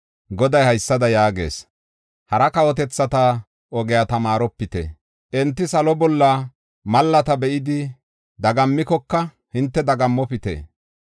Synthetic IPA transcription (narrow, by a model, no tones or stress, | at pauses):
ɡɔd̪ɐjhɐjsːɐd̪ɐjaːɡḛːs | hɐɾɐkɐwɔt̪ɛt͡sːɐt̪ɐ | ʔɔɡɛjat̪ɐmaːɾɔpːɪt̪ḛ | ʔɛnt̪ːɪsɐlɔbɔlːɐ | mɐlːɐt̪ɐbɛʔɪd̪ɪ | d̪ɐɡɐmːɪkɔkːɐ | hɪnt̪ːɛd̪ɐɡɐmːɔpɪt̪ḛː